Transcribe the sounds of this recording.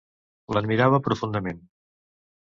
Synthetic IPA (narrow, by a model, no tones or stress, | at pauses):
ləd̪miɾaβəpɾufund̪əmen